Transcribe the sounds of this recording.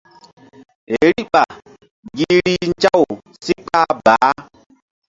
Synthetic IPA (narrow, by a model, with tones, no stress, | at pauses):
ɦe˨ɾi˦ʔɓa˨ | ɡi˦ɾi˦n˦t͡ʃa˦w | si˦k͡pa˦baː˨˦